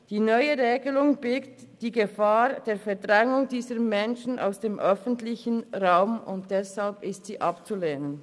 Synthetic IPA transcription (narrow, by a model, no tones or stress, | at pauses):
d̥iːnœʏəʁeːɡəlʊŋbɪlktd̥iːɡəfaːd̥eːfɛʁdʁɛŋʊŋdiːzəmɛnʃn̩ʔa̰ʊsd̥eːmʔœfən̩tlɪçənʁaʊmʊ̰nt̚d̥ɛshalpɪstz̥iːʔɑpt͡suleːnən